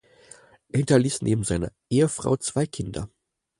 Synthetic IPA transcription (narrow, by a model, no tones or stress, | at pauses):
ʔeːɐhʊntɐliːsnʔḛːbm̩zaɪnɐ̰ʔeːəfʁ̥a̰ʊt͡sv̥aɪkʰɪndɐ̰